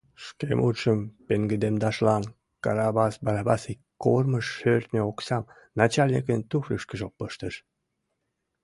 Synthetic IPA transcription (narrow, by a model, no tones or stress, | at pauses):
ʃkemut̪ʃəmpeŋɡəd̪emd̪ɑʃlɑn | kɑɾɑbɑsbɑɾɑbɑsi | kːorməʃːørt̪nʲeoksɑm | nɑt͡ɕɑlʲnʲik̬ənt̪uxrəʃkəʒopːəʃt̪əʃ